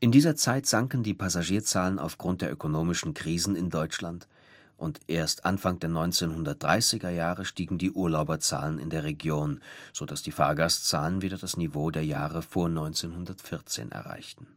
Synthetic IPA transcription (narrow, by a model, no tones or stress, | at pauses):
ʔɪndiːzɐt͡saɪtz̥aŋkn̩diːpʰazaʒiːɐt͡saːləna̰ʊfɡ̥ʁʊnt̚d̥eːɐʔøkonoːmɪʃn̩kʁ̥iːzn̩ɪndɔʏt͡ʃlant | ʔʊntʔeːɐstʔanfaŋd̥eːɐnɔʏnt͡seːnhʊndɐt̚d̥ʁaɪsɪɡɐjaːʁəʃtiːɡŋ̩diːʔuːɐlaʊbɐt͡sa̰ːlənɪ̰ndeːɐʁ̞eɡjoːnz̥odasd̥iːfa̰ːɐɡaːst͡saːlənviːdɐdasnivoːdeːɐjaːʁəfoːɐnɔʏnt͡seːnhɦʊndɐtfɪɐt͡sḛːnʔɛ̰ɐʁa̰ɪçtn̩